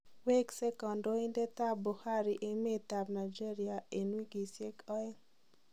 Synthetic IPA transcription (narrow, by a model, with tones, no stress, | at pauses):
we˦kse˦kɔ˨ndo˦i˦nde˦ta˦bo˨ha˦ɾi˨ʔe˦me˦ta˨pna˨d͡ʒe˦ɾi˨a˨e˨nwi˦ɡi˨sje˦kɔ˦ɛ˦